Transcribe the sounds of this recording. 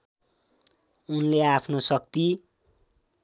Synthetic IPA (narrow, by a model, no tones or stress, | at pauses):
unleapʰnosʌk̚t̪i